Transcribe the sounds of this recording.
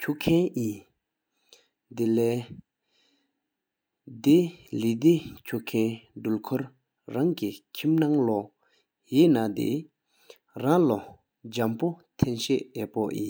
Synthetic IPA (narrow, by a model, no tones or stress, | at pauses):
cʰuʔkʰɛnʔi | d̪ilɛː | d̪elid̪ecʰuʔkʰɛndulkʰɔɹ | ɹaŋkikʰimnaŋlɔ | jinad̪ḭ | raŋlo | d͡ʑampot̪ʰenɕeʔjɛːpoʔjḭ